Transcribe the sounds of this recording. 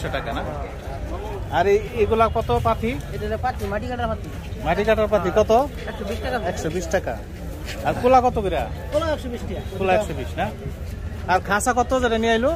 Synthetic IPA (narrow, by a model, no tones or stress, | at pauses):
ɛsɔʈakana | aɾiekulakpɔt̪ɔpat̪ʰied̪ilɔpat̪ʰimaɖikaʈaɾpat̪ʰi | maɖikaʈaɾpat̪̬ʰikɔt̪̬ɔ | ɛksɔbisʈakaɛksɔbisʈaka̰ | aɾkulakɔt̪ɔkiɾakulaɛksɔbisʈiakulaɛksɔbisna | aɾkʰãsakɔt̪ɔzeɾeniajlo